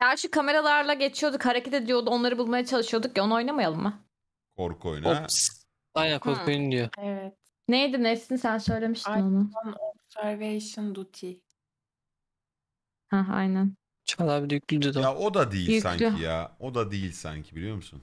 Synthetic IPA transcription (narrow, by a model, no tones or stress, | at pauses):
dæɾʃykʰame̞ɾalˠaɾlˠaɟe̞t͡ʃʰijod̪ukhaɾecʰet̪ʰe̞d̪ijo̞d̪uo̞nlˠaɾɯbulˠmajat͡ʃʰalˠɯʃɯjo̞d̪uk̚jao̞nao̞jnamajalˠɯmːa | kʰoɾkʰo̰jnoas | ajnænkʰoɾkʰojnd̪ijoɛvɛt̪̚ | nejd̪inɛsinsænsø̞jlʲe̞miʃt̪inonunopsæɾvejʃɯnd̪ut̪ʰi | hæa̰jnæn | t͡ʃʰalˠabid̪jyclʲyd̪yd̪ojaʔod̪ad̪ejiljʲysæ̰ɲijaod̪ad̪ejilʲsæ̰ɲcʰibilʲijo̞ɾmusun